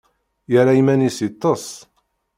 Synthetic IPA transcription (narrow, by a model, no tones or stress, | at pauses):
jəɾajimænisit̪ˤːəsˤ